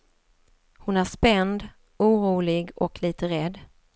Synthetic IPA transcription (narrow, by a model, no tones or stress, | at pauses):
hʊnæʂpɛnd̪ | uːɾuːlɪɡɔkʰliːt̪əɾɛd̪ː